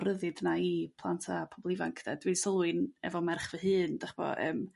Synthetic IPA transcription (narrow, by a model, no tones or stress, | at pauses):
ɾəðɨdnaipʰlˠantʰapʰɔbɔlˠɪva̰ŋkʰd̥ɛd̥winsəlˠwɨnɛ̰vɔmɛrχvəɦɨːnd̥aχb̥ɔ̰ə̰ːm